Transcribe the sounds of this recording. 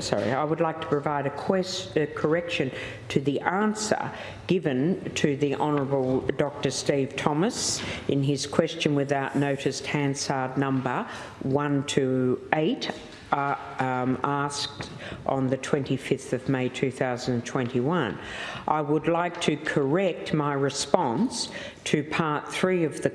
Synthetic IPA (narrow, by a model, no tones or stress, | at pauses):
sɑ̰ɹḭaɪwədˡlaɪk̚tʰə̥pʰɹ̥ɨvaɪɾɨkʰɛɨkʰə˞ɛkʃɨ̃n | tʰɨðiʔæ̃nsə̰˞ | ɡ̥ɪvɨ̃ntʰɨðiʔɑnə˞əbl̩ˠdɑk̚tə˞stiv̥tʰɑməsɨ̃nɪz̥kʰw̥ɛst͡ʃɨ̃nwɨðaʊʔⁿnoʊɾɨst̚hæ̃n̥sɑɹdⁿnʌ̃mbə˞ | wʌ̃ntʰɨeɪɾ | æsk̚t | ʔn̩ðɨtʰw̥ɛ̃ntifɪfθʌvmeɪtʰʉθaʊzə̃n̩d̃n̩tʰw̥ɛ̃ntiwʌ̃nʔaɪwədˡlaɪk̚tʰɨkʰə˞ɛk̚t̚maɪɹɨspɑ̃ns | tʰɨpʰɑɹt̪̚θɹiʌvðɨ